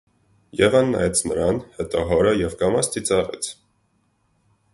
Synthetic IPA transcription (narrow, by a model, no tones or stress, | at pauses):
jɛvɑnːɑ̰jɛt͡sʰnəɾɑnhɛt̪ɔɦɔɾəjɛvkɑmɑst̪it͡sɑʁɛ̰t͡sʰ